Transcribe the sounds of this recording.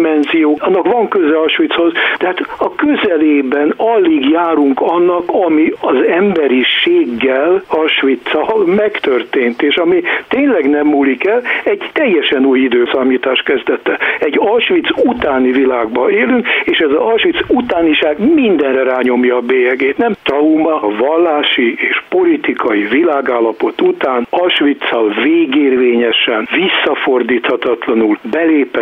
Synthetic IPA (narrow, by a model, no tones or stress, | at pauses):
mɛnzijoːnːɒkʋɒŋkøzɛlɒʃʋit̪sho̞zd̪̥ɛɦaːt̪ɒkøzɛleːbɛnɒlːiɡjaːɾuŋkɒnːɒkɒmiɒzɛmbɛɾiʃeːɡːɛlɒlʃʋit̪sɒmɛkt̪ørt̪eːnt̪eːʃɒmit̪eːɲlɛɡnɛmːuːlikɛlɛɟt̪ɛjːɛʃɛnuːjid̪øːsamiːt̪aːʃt̪kɛzd̪ɛt̪ːɛɛɟɒʃʋit̪sut̪aːnivilaːɡbɒeːlyŋkeːʃɛzɒɒlʃʋit̪sut̪aːniʃaːɡmind̪ɛnrɛraːɲo̞mjɒːbeːjɛɡeːt̪nɛmt̪rɒumɒvɒlːaːʃieːʃpo̞lit̪ikɒjivilaːɡaːlːɒpo̞t̪ut̪aːnɒʃʋit̪sɒlveːɡeːrveːɲɛʃɛnvisːɒfo̞rd̪iːt̪hɒt̪ɒt̪lɒnulbɛleːpɛ